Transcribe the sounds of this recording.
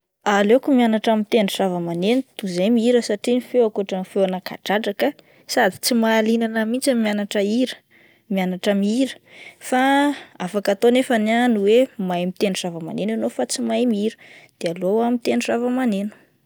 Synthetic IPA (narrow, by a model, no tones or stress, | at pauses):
alekumianaʈ͡ʂamit̪enuʂavəmanenut̪uzejmiiɾəsaʈ͡ʂinifewakuaʈ͡ʂəmifewanakʰa̰ʈ͡ʂaʈ͡ʂakə | sad̪i̥t͡simaːlinanəmint͡samianaʈ͡ʂəiɾə̥ | mianaʈ͡ʂamiiɾə̥faafakat̪onefənanuwemajmit̪enuʂavama̰nenanofat͡simajmiiɾəd̪̥ealoamit̪enusavəmanenu̥